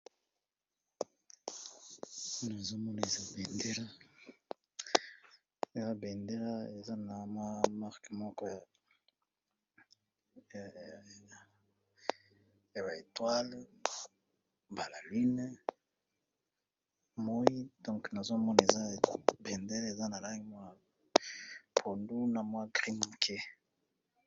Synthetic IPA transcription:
u˦na˨e˨zo˦mɔ˦na˨e˨za˦bɛ˨nde˦ɾa˦ | e˨za˦bɛ˨nde˦la˦e˨za˦na˨ma˦ma˦ʁkmɔ˦kɔ˦j | ja˨ba˨e˨twa˦l | ba˨la˨li˦n˦ | mo˦i˦dɔ̃˦ŋkna˨zo˦mɔ˦na˨e˨za˦˨bɛ˨nde˦la˦e˨za˦na˨la˦i˦mwa˦˨ | pʰo˨ndu˦na˨mwa˦ɡʁi˦m˨kʰe˦

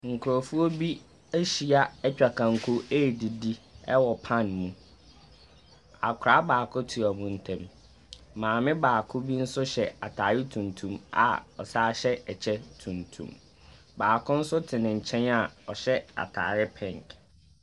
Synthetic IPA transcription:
ŋ̩˨kʰʊ˨ɾo˨fu˦o˦bi˦ | æ˦ɕi˨a˦ɛ˦t͡ɕᶣa˨kʰã˨ŋ̩˨kʰʊ˦e˦˨di˨di˦ɛ˦wɔ˨pʰã˦nmũ˨ | a̰˨kʰʊ˨ɾa˦baː˨kʰʊ˦tʰu˨a˨mʊ̃˨n̩˨tʰɛ̃˦m | mãː˨mɪ̃˦baː˨kʰʊ˦bi˦n̩˦sʊ˦ɕɛ˨a˨tʰaː˨ɾɪ˦tʰũ˨ntʰũ˦ma̰˨ɔ̰˨saː˦ɕɛ˦ɛ˨t͡ɕʰɛ˦tʰũ˨ntʰṵ̃˨m | baː˨kʰʊ̃˦n̩˦sʊ˦tʰɪ˨nɪ̃˨ɲ̩˨t͡ɕʰɛ̃˦na˨ɔ˨ɕɛ˦a̰˨tʰa̰ː˨ɾɪ˦pʰɛ̃˨ŋk

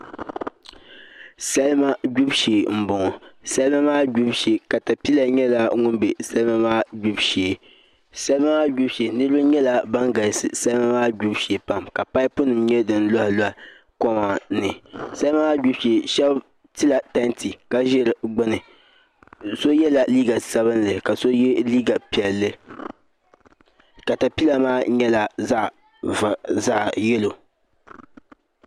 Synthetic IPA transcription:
sa˦lma˦ɡu˦bʃeː˨m̩˨bʊ˨ŋɔ˨sa˦lma˦maː˦ɡu˦bʃe˨ka˨ta˨pi˦la˨ɲɛ˦la˦ŋʊ˦nbe˨sa˦lma˦maː˦ɡu˦bʃeː˨ | sa˦lma˦maː˦ɡu˦bʃe˨nɨ˦ɾɨ˦ba˦ɲɛ˦la˨ba˦ŋɡa˨sɨ̰˨sa˦lma˦maː˦ɡu˦bʃe˨pa˨mka˨pa˦ɪ˦pʊ˦nɨ˨mɲɛ˦dɨ˦n˦lɔ˦hɪ˨la˦˨ | kɔ˦ma˨nɨ˨sa˦lma˦maː˦ɡ͡bu˦ʃi˨e˨ʃɛ˦b | tɨ˦la˨ta˦ntʰi˨ka˦ʒɪ˦ɾɡ͡bɨ˦nɨ˨ | so˦jɛ˦la˨liː˦ɡa˨sa˦βɨ˦nlɨ˨ka˨so˦jɛ˦liː˦ɡa˨pi˨ɛ˨lːɨ˨ | ka˨ta˨pi˦la˨maː˦ɲɛ˦la˦za˦ʔ | vza˦ʔjɛ˦lo˨

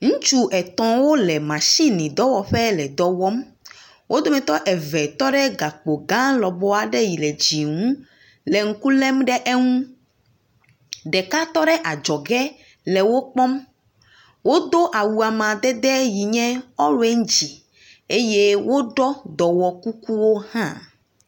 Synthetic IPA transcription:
ŋũ˦t͡ʃu˦ʔɛ˨t̪ɔ̃˦wo˦lɛ˨mã˨si˦nĩ˨d̪ɔ˦wɔ˨ɸɛ˦lɛ˨d̪ɔ˨wɔ˦m | wʔo˦d̪o˦mɛ̃˨t̪ɔ˦ʔɛ˨vɛ˨t̪ɔ˦ɖɛ˦ɡa˨k͡po˨ɡã˦lɔ˨bɔ˦a˨ɖɛ˦ji˨lɛ˨d͡ʑi˨ŋũ˦ | lɛ˨ŋ̩˦ku˦lɛ˦mɖɛ˦ʔe˦ŋũ˦ | ɖɛ˨ka˦t̪ɔ˦ɖɛ˦ʔa˨d͡ʒɔ˨ɡɛ˦ | lɛ˨wo˦k͡pɔ˦m | wo˦d̪o˦ʔa˨wu˨a˨mã˨d̪ɛ˦d̪ɛ˦ji˨ɲɛ̃˦ɔ˦ɾwe˦ŋ˦d͡ʑi˨ | e˦je˦wo˦ɖɔ˦d̪ɔ˨wɔ˨ku˦ku˦wo˦hã̰˦

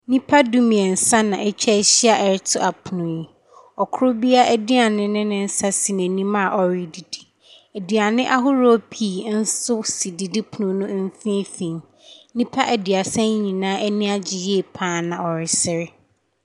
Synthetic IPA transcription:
nĩ˦pʰa˦du˦mĩ˨ɛ˨n̩˨sa˦nã˨ʔɛ˦t͡ɕᶣʰɛ˦ɕi˦a˨ʔɛ˨ɾɪ˦tʰʊ˦a˨pʰʊ˨nʊ̃˨jɛ˨ | ɔ˨kʰʊ˦ɾʊ˦bi˦a˦ʔɛ˦˨dɪ˦a˨nɪ̃˦nɪ̃˦nɪ̃˦n̩˦sa˦si˨næ̃˨nĩ˦mã˦˨ʔɔ˨ɾɪ˨di˨di˨ | ɛ˨di˨a˨nɪ̃˦ʔa˦ɦʊ˦ɾo˦pʰi˦˨n̩˦sʊ˦si˨di˨di˦pʰu˨nʊ̃˨nʊ̃˦mn̩˦fĩ˦fĩ˨n | nĩ˦pʰa˦ʔæ˨dɪ˨a˨sɛ̃˦ɲĩ˨nãː˦ʔɛ˦nĩ˦a˦d͡ʑɪ˨je˦˨pʰãː˦nã˨ɔ˨ɾɪ˨sɪ˦ɾɪ˦

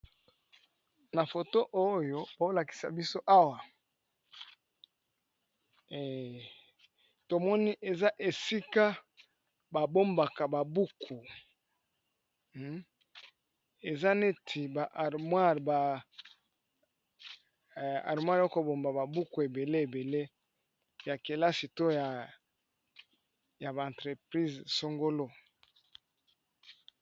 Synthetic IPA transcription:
na˨fo˨to˦ʔo˦jo˦bo˨˦la˨ki̥˨sa̰˨bi˦so˦ʔa˦wa˨ | to˨mɔ˦ni˦ʔe˨za˦ʔe˨si˦ka˦ | ba˨bo˦mba˨ka˨ba˨bu˦kʰu˨ | e˨za˦ne˦tʰi˨ba˨ʔa˨mwa˦˨ʁba˨ | a̰˨ʁmwa˦ɾo˦ko˨bo˨mba˨ba˨bu˦ku˨e˨be˨le˦e˨be˨le˦ | ja˨ke˨la˦si˨to˦ja˨ | ja˨ba˨ã˨ntʁe˨pʁi˦zso˦ŋɡo˦lo˦

